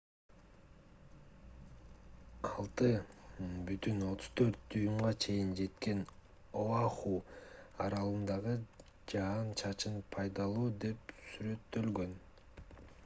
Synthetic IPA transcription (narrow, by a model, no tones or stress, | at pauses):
ɑlˠt̪ɯ | byt̪yno̞t̪ʰʊ̥z̥t̪ʰø̞ɾt̪̚d̪ujumʁɑt͡ʃʰe̞jind͡ʒe̞t̪ke̞n | oɑχuɑɾɑlˠɯnd̪ɑʁɯ | d͡ʒɑnt͡ʃʰɑt͡ʃɯnpʰɑjd̪ɑlˠuːd̪e̞p̚syɾø̞t̪ːø̞lɡø̞n